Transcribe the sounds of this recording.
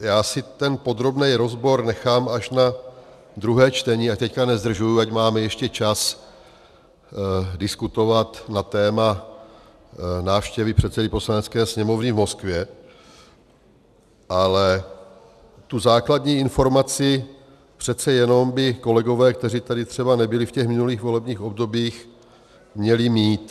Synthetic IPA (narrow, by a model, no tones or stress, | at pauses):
jaːsɪt̪ɛnpo̞d̪ɾo̞bnɛjɾozbo̞ɾnɛxaːmaʃna | d̪ɾuɦɛːt͡ʃt̪ɛɲiac̚t̪ɛckanɛzd̪r̩ʒujuacmaːmɛjɛʃcɛt͡ʃas | dɪskut̪o̞vat̪nat̪ɛːma | naːfʃcɛvɪpr̝̥ɛt̪sɛdɪpo̞slanɛt͡skɛːsɲɛmo̞vnɪvmo̞skvjɛ | ʔalɛ | t̪uzaːkladɲiːɪnfo̞ɾmat͡sɪ | pr̥ɛt̪t͡sɛjɛno̞mbɪko̞lɛɡo̞vɛːkt̪ɛriːt̪adɪt̪r̥ɛbanɛbɪlɪfcɛxmɪnuliːxvo̞lɛbɲiːxo̞bdo̞biːx | mɲɛlɪmiːt̪